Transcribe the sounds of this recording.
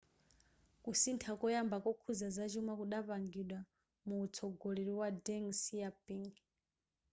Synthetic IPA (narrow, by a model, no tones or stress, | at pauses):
kusintʰakɔjambakɔkʰuzazat͡ʃumakuɗapaŋɡiɗwa | muːt͡sʰɔɡɔlɛɾiwadɛŋsijapiŋɡ